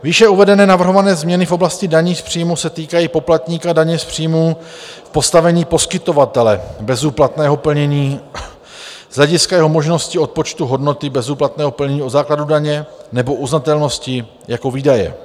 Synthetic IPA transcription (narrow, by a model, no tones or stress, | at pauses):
viːʃɛuvɛdɛnɛːnavr̩ɦo̞vanɛːzmɲɛnɪfʔo̞blascɪdaɲiːspr̝̥iːmusɛt̪iːkajiːpo̞plat̪ɲiːkadaɲɛspr̥ijmu | fpo̞st̪avɛɲiːpo̞skɪt̪o̞vat̪ɛlɛbɛzuːplat̪nɛːɦo̞pl̩ɲɛɲiː | z̥lɛɟɪskajɛɦo̞mo̞ʒno̞scɪo̞t̪̚pot͡ʃt̪uɦo̞dno̞t̪ɪbɛzuːplat̪nɛːɦo̞pl̩ɲɛɲiːo̞zaːkladudaɲɛnɛbo̞ʔuznat̪ɛlno̞scɪ | jako̞viːdajɛ̰